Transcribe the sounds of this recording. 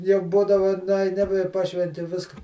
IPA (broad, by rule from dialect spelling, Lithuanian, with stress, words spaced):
jɛʊ ˈbuːdɐʋʊ nʊɐɪˈnʲɪ ɪ ˈpɑːʃʲʋʲɛnʲtʲɪ ˈʋʲɪskɐ